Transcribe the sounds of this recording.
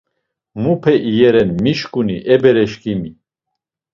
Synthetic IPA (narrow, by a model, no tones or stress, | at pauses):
mupʰɛʔijɛɾɛnmiʃkʼuniʔɛbɛɾɛʃkimi